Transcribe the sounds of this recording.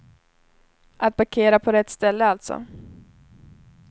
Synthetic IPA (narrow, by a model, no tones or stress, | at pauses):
ʔat̪̚baɾkʰeːɾapʰɔɾɛt̪ːst̪ɛlːəalt̪sɔ̰